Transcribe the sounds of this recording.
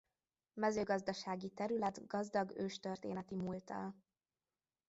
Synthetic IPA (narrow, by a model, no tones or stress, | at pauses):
mɛzøːɡɒzd̪ɒʃaːɡit̪ɛɾylɛt̪ɡɒzd̪ɒɡøːʃt̪ørt̪ḛːnɛt̪imuːlt̪ɒ̰l